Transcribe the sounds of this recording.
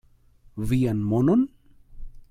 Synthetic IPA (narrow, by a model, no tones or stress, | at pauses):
vianmonon